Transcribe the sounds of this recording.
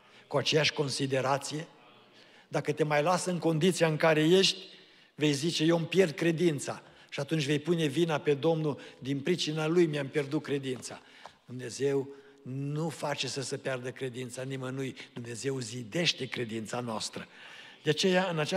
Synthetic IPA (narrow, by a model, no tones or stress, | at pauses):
kuat͡ʃe̞jaʃʲko̞nsid̪e̞ɾat̪sije̞ | d̪akət̪e̞majlasəɨŋko̞nd̪it̪sijaɨŋkaɾe̞je̞ʃt̪ʲ | ve̞jzit͡ʃe̞jempje̞rd̪̚kɾe̞d̪int̪sa | ʃiat̪unt͡ʃʲve̞jpune̞vinape̞d̪o̞mnud̪inpɾit͡ʃinalujmiampje̞rd̪ut̚kɾe̞d̪int̪sa̰ | d̪̥umne̞ze̞w | nufat͡ʃe̞səsəpjard̪əkɾe̞d̪int̪sanimənujd̪̥umne̞ze̞wzid̪e̞ʃt̪e̞kɾe̞d̪int̪sanoa̰st̪ɾəd̪̥eat͡ʃe̞jaɨnat͡ʃa